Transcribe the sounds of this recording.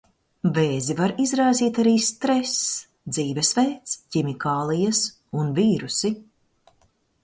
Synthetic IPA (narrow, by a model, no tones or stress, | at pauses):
veːzivaɾizɾaːziːt̪aɾiːst̪ɾɛs | d̪ziːvɛsvɛːt̪scimikaːlˠijɐs | unviːɾusi